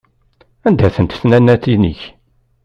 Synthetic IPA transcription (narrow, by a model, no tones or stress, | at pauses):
ænd̪æθənt̪θnænːæt̪inḭç